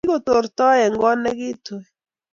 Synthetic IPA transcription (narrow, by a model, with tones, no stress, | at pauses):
ko˨to˨ɾtɔ˦ɛ˨ŋɡɔ˦nɛ˦kɪ˦twɛ˨